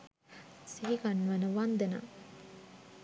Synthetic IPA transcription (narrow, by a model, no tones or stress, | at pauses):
siɦiɡanːʋanəʋand̪ena̰